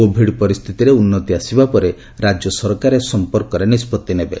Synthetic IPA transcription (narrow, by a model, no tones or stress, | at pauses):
obʱiɽpɔɾist̪ʰit̪iɾeunːɔt̪iasibapɔɾe | ɾad͡ʒjɔsɔɾkaɾesɔmpɔɾkɔɾenispɔt̪ːinebe